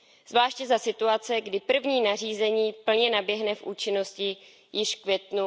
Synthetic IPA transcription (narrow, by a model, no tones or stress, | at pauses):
z̥vlaːʃcɛzasɪt̪uat͡sɛɡdɪpr̩vɲiːnariːzɛɲiːpl̩ɲɛnabjɛɦnɛfʔuːt͡ʃɪno̞scɪ | jɪʃfkvjɛt̪nu